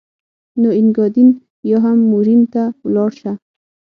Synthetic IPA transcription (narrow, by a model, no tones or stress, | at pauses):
noinɡɔd̪in | jɔɦamːuɾint̪alɔɽʃa